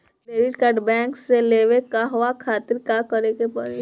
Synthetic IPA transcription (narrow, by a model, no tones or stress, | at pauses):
neːɾɪʈkaːɾɖbɛ̃ːŋkseleːʋekaɦʊʋakʰaːt̪ɪɾkakəɾekepɐɽe